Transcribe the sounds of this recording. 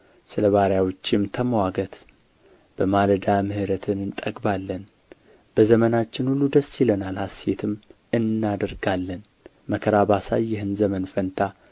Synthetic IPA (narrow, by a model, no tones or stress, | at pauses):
sɨləβaɾjawot͡ʃːɪmt̪ʰəmwaɡət̪ | b̥əmaləd̪amɨhɨɾət̪ʰɨnɨnt̪ʼəɡʼbalːən | b̥əzəmənat͡ʃːɪnhulːud̪əsːɪlənalhaset̪ʰɨm | ɨnːad̪əɾɡalːən | məkʰəɾabasajːɛɦɨnzəmənfənt̪ʰa